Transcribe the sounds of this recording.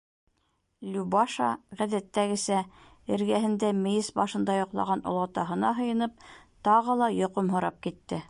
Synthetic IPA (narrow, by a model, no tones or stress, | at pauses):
lʲubɑʃɑ̰ʁæ̆ðæt̪ːæɡɘ̆sæ | ɘ̆ɾɡæɦɘ̆nd̪æmɘ̆jɘsbɑʃɤ̆nd̪ɑjŏqlˠɑ̰ʁɑnŏ̰lˠɑt̪ɑɦɤ̆nɑɦɤ̆jɤ̆nɤp̚t̪ɑʁɤlˠɑjŏqomɦŏɾɑp̚kit̪ːɘ